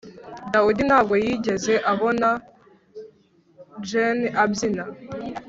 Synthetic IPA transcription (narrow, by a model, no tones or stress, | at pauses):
dawudinhaːb̚ɡo̞jiːɟe̞ze̞ʔaβo̞na | d͡ʒenabzina